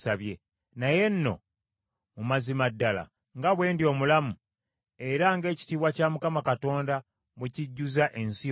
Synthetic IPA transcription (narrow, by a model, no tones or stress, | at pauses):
saβje | naje̞nːo̞̰ | mumazimadːala̰ | ŋɡaβwe̞ːndio̞ːmulamu | e̞ɾaŋɡe̞ːci̥tiːβwacamukamakato̞ːnda | muciɟːuzaʔensi